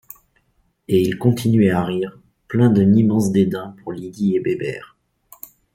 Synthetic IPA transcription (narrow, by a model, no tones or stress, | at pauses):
eilkɔ̃t̪ʰinɥɛaʁiːʁ | plɛ̃d̪ənimɑ̃sd̪ed̪ɛ̃puʁliɡ̪iebebɛ̰ːʁ